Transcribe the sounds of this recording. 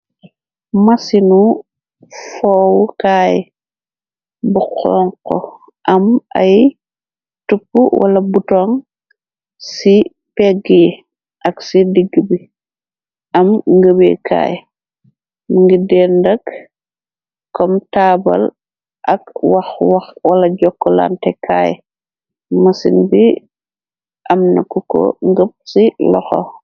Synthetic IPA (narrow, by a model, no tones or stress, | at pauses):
mɐsinu | fɔːwukaːj | buqʰɔːŋkɔ̰ | ʔɐmɐ̰j | tupːuwʔɐ̰lɐbutɔŋ | si | pɛɡi | ʔɐksidiɡːibi | ɐmŋɡəbɛ̰kʰa̰ːj | mŋɡidɛndɐk | kːɔmtaːbɐ̰l | ʔɐkwaxwaxwɐlɐɟɔkːɔla̰ntɛkʰaːj | mɐsḭnbi | ʔɐmnɐ̰kukɔ̰ŋɡəp̚silɔxɔ̰